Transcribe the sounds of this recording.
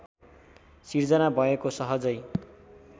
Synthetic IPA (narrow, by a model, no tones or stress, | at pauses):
sird͡zʌnabʱʌekosʌɦʌd͡zʌj